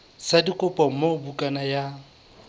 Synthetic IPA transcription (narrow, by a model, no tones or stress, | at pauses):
sadikʼʊpʼɔmobukʼanaja